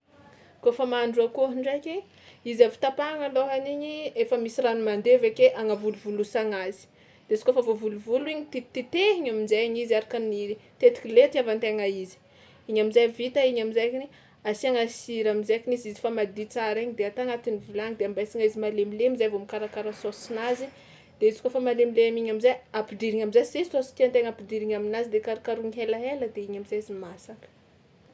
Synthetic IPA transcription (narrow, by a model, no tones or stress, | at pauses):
kofamaɳɖ͡ʐuakoɦiɳɖ͡ʐajkʲe | izafi̥t̪apaŋaloɦaniɲiefəmisiranumand̪evekeʔaŋavuluvulusaŋazi̥ | d̪̥esi̥kofavovuluvuluiɲit̪it̪it̪eɦiɲaminzajaɲizaɾakanit̪et̪i̥kʲilet̪iavant̪eŋaizi̥ | iɲamizajvit̪aiɲamizajkini | asiaŋasiɾamizakinizizi̥famad̪it͡saɾeɲid̪eat̪aŋat̪inivulaŋid̪eambasiŋaizimalemilemizajvomikaɾakaɾasosinazi | d̪̥eizikofamalemileamiɲamizajapidiɾiŋamizajsesosi̥t̪iant̪eŋapidiɾiŋaminazid̪ekaɾakaɾuŋiɦelaɦeləd̪eiɲamizajizimasakə̥